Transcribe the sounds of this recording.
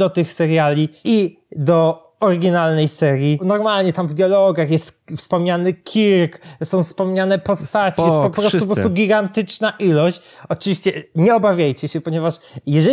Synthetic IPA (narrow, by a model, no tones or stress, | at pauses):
d̪ɔt̪ɘxsɛɾjalʲii | d̪ɔ | ɔɾɪɡʲinalnɛjsɛɾʲjinɔɾmalɲɛt̪amvd̪ʲjɔlɔɡaxjɛst̪fspɔmɲanɘkʲʰiɾksɔ̃w̃fspɔmɲanɛpɔst̪at͡ɕjɛt̪pɔppɾɔst̪up̬ɔɔt̪uɡʲiɡant̪ɘt͡ʂnaʔilɔɕt͡ɕ | ɔt͡ʂɨvʲiɕt͡ɕɛɲɛɔbavʲjajt͡ɕɛɕɛpɔɲɛvaʂjɛʐɛ